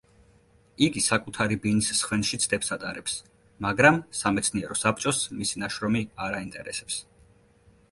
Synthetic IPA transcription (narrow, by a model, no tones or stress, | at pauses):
iɡisakʼut̪ʰaɾibinisːχwɛnʃit̪sʰd̪ɛpsat̪ʼaɾɛps | maɡɾamsamɛt̪sʰniɛɾɔsapʰt͡ʃʼɔsmisinaʃɾɔmiaɾaint̪ʼɛɾɛsɛps